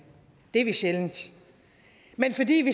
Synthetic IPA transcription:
d̥e̝ɐʋiɕelnd̥ | menfɒ̽dḭːʋi

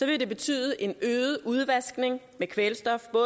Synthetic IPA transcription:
sɒ̽ʋe̝d̥e̝b̥e̝t͡sʰy̰ːð̞̩ˠʔe̝nøːð̩ˠʔuð̞ˠʋæsɡ̥ne̝ŋ | mekʰʋelsd̥ɒ̽fb̥ɔ̽ː

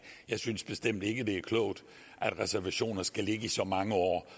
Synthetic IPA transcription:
jɑ̈ɪsynsb̥e̝sd̥em̰d̥e̝ɡ̥əd̥e̝æɐkʰlɔʊd̥ | ʔæd̥ʁɛsæɐʋæɕo̝̰ːnɐsɡ̥æle̝ɡ̥əisɒ̽mɑ̈ŋəɒ̰ː

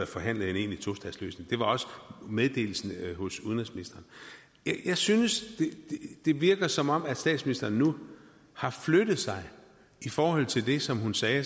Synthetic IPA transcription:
fɒ̽ɦæn̰ləð̩ˠene̝̰ːnlit͡sʰo̝sd̥ɛðˠslø̰ːsne̝ŋd̥e̝ʋɑ̈ɒ̽sə̥með̞ˠd̥e̝̰ːl̩sn̩ɦɔ̽suðˠnʁisminisd̥ɐːn | jjɑ̈ɪsynəsd̥e̝d̥ed̥e̝ʋiɐɡ̥ɐsɒ̽mɒ̽m̰æ̥sd̥ɛ̰ːdsminisd̥ɐːnːu | hɑ̈flød̥ð̩ˠsɑ̈ɪ | ifɒːhɒ̽l̰t͡sʰe̝ld̥e̝sɒ̽mɦhunsɛː

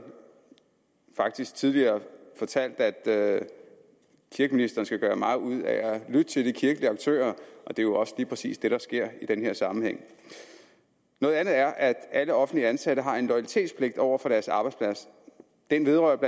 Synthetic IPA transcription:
fɑ̈ɡ̥̚d̥isɡ̥t͡sʰiðˠliɐːfɒ̽t͡sʰæl̰d̥æd̥ | kʰiɐɡ̥əminisd̥ɐːn̩sɡ̥æɡ̥ɶːɐmɑ̈ːð̩ˠuð̰ˠæælyd̥ət͡sʰe̝ld̥ikʰiɐɡ̥əliɑ̈ɡ̥̚t͡sʰø̰ːɐʔɒ̽d̥e̝jo̝ɒ̽səliːpʰʁɛsḭːsd̥e̝ɾ̥ɑ̈sɡ̥e̝ɐ̰id̥enheɐ̰sɑ̈mn̩heŋ̰ | nɔ̽ːð̩ˠænð̩ˠæɐʔæd̥æləɒ̽fn̩dliænsæɾ̥əɦɑ̈e̝nlɒ̽ɪæli̥t͡sʰe̝̰ːd̥spʰle̝ɡ̥̚d̥ɒʊ̰ɐfɒ̽ɾ̥æɐsɑ̈b̥ɑ̈ɪdspʰlæs | d̥enʋe̝ðˠʁɶɐbl

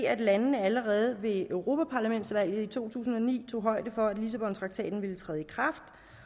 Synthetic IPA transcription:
æd̥lænnəæləʁɛːð̞̩ˠʋe̝ʔøʊʁo̝ːpʰæpʰɑ̈læmen̰d̥sʋæl̰jð̞̩ˠit͡sʰo̝̰ːt͡sʰṵːs̬n̩ɒ̽nḭːt͡sʰo̝̰ːɦɒ̽ɪ̰d̥əfɒ̽æd̥lis̬æb̥ɒ̽nt͡sʰʁɑ̈ɡ̥̚t͡sʰɛ̰ːd̥n̩ʋe̝lət͡sʰʁɛːð̞̩ˠikʰʁɑfd̥

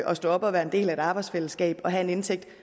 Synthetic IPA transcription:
ʔɒ̽sd̥ɔ̰̽ːɒ̽b̥ɒ̽ʋæːɐe̝nd̥e̝̰ːlæe̝d̥ɑ̈ːb̥ɑ̈ɪd̥sfeləsɡ̥ɛ̰ːb̥ɒ̽ɦæe̝ne̝nt͡sʰeɡ̥̚d̥

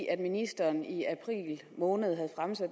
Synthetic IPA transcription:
ʔæd̥minisd̥ɐːniæpʰʁḭːl | mɔ̽ːnəð̞̩ˠɦæð̞̩ˠfʁamsæd̥

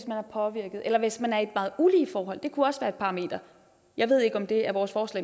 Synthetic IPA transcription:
smænæɐpʰɒ̽ʋiɐɡ̥ð̩ˠelɐʋe̝smænæɐe̝d̥mɑ̈ːð̩ˠuliːfɒːɦɒ̽l̰d̥e̝kʰuɒ̽sʋæːɐe̝d̥̚pʰɑ̈ʁɑ̈me̝̰ːd̥ɐ | jɑ̈ɪʋe̝ð̰ˠe̝ɡ̥əɒ̽md̥e̝æɐʋɒːsfɒːslɛ̰

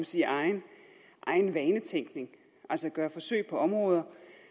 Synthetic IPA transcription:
msiɑ̈ɪn | ʔɑ̈ɪnʋɛːnət͡sʰeŋ̰ɡ̥ne̝ŋ | ʔæl̰səɡ̥ɶɐfɒ̽søɪ̰pʰɒ̽ɒ̽mʁɔ̽ːð̞ˠɐ

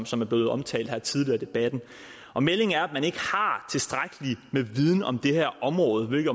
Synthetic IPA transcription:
msɒ̽mæɐb̥le̝ːð̞̩ˠɒ̽mt͡sʰɛ̰ːld̥hæɐt͡sʰið̞ˠliɐːd̥e̝b̥æd̥n̩ | ʔɒ̽mele̝ŋæɐæd̥mæne̝ɡ̥əhɑ̈t͡sʰe̝sd̥ʁaɡ̥əlimeʋið̞ˠn̩ɒ̽md̥e̝hæɐ̰ʔɒ̽mʁɔːð̞̩ˠʋe̝lɡ̥

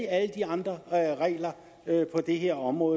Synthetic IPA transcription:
iæləd̥iɑ̈nd̥ʁɐʁɛ̰ːlɐ | pʰɒ̽d̥e̝ɦe̝ɐ̰ɒ̽mʁɔ̽ːð

